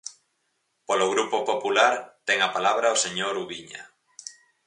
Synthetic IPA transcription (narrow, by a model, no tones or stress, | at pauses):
poloɣɾupopopulaɾt̪ɛŋapalaβɾaoseɲoɾuβiɲa̰